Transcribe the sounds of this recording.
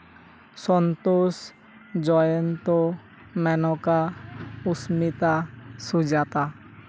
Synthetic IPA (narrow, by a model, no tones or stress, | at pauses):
sɔnt̪os | d͡ʒɔjɔnt̪ɔ | mɛnɔkausmit̪asud͡ʒat̪a